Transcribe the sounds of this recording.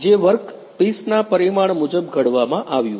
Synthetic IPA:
d͡ʒeʋəɾk | pisnapəɾimaɳmʊd͡ʒəb̚ɡʱəɽʋamãʔaʋjũ

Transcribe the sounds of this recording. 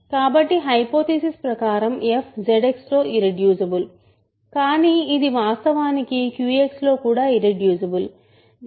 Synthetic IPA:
kaːbɐʈːiɦɐjpoːt̪isispɾɐkaːɾɐmepʰd͡ʒeɖekslo̞ːʔiɾeɖjuːsɐbul | kaːniːid̪iʋaːst̪ɐʋaːnikikjuːekslo̞ːkuːɽaːiɾeɖjuːsɐbul

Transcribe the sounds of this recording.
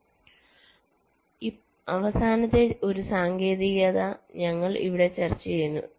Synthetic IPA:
i | ɐʋɐsaːnɐt̪ːeo̞ɾusaːŋɡe̞ːðiɣɐðɐɲɐŋːɐɭḭʋiɽe̞t͡ɕɐrt͡ɕːijunːṵ

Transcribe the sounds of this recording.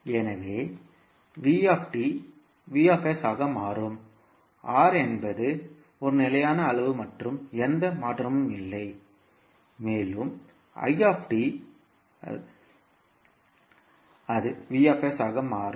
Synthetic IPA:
ɛnɐʋeː | ʋiːaːfʈi | ʋiːaːfesaːɣɐmaːrɯm | ʔaːɾɛnbɐðɯ | ɔɾɯnɪlɐjaːnɐːlɐʋɯmɐʈrɯmɛnd̪ɐmaːʈrɐmɯmɪlːɐɪ | meːlɯm | ɐ̰ɪaːfʈi | ɐðɯʋiːaːfesaːɣɐmaːrɯ

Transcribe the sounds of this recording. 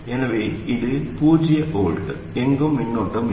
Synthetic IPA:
enɐʋeiðɨpuːd͡ʑijɐʔoːɭʈːɨ | eŋɡomːinːoʈːɐm

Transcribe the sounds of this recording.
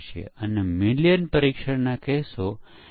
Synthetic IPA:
ʃjḛənemiljənpəɾiːkʃəɾnakɛso

